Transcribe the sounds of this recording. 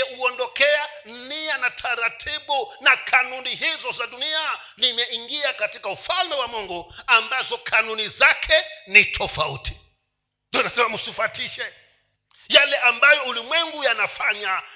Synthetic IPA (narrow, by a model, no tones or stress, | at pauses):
ɛuɔndɔkɛan̩nianatʰaɾatʰiɓunakʰanuniɦizɔzadunia | nimɛiŋɡiakatikaufalmɛwamɔŋɡɔambazɔkʰanunizakʰɛnitʰɔfautʰi̥ | ndianasɛmamusifatʰiʃɛ | jalɛʔambajɔulimwɛŋɡujanafaɲa